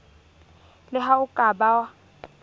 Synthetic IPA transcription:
lɪɦaʊkʼabawa

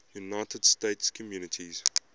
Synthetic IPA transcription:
junaɪtʰəd̥steɪtskʰɔmjunətʰiz̥

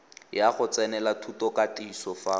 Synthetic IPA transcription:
jaχʊt͡sɛnɛlatʰutɔkatiːsɔfa

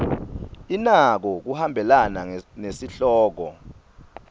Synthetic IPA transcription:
inak̬ɔk̬uhambʱɛlananesiɬɔːk̬ɔ

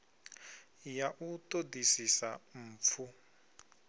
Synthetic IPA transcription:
jaʔutodisisam̩p̪fʰu

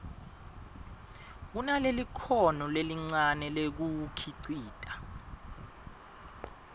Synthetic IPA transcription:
k̬unalelikʰɔnɔleliŋ͡ǀanɛlek̬ukʰiǀiːtʼa

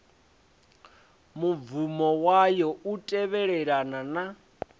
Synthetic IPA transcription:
muvumɔwajɔutʼɛβɛɺɛɺanana

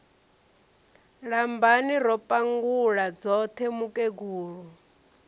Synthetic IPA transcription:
ɺambaniɾɔpʼaŋɡuɺad͡zɔt̪ʰɛmukʼeɡuːɺu

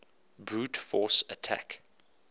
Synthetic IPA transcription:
bɹuːtfɔsətʰa̰k

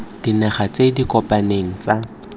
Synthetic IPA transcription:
d̥inɛχat͡sedikʼɔpʼaneŋ̩t͡sa

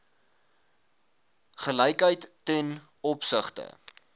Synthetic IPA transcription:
χəlɛjkɦəjtːɛn | ɔpsəχtə̰

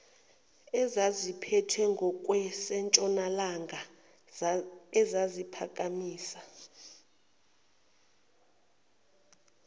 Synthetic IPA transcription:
ɛzazipʰɛtʰɛŋɡʱɔkʼwɛsɛnt͡ʃʼɔnalaŋɡʱa | ɛzazipʰa̰kʼamiːsḁ

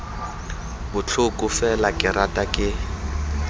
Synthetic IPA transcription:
bʊt͡ɬʰʊkʼʊfɛlakʼɪratʼakʼɪ

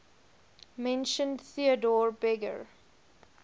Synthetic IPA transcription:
mɛ̃nʃə̃ndθiədɔɹbɛɡə̰ɹ

